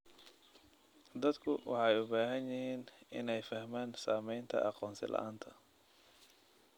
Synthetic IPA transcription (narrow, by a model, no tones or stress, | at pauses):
d̪ɐd̪kʰʊwɑ̰ħɑjʊbaːɦɐnjɪhiːnɪnɛjfɐhmaːnsaːmɛjnt̪ʰɐ̰ʔɑqɔːnsɪ̰lʔɐ̰ʔaːnt̪ʰɐ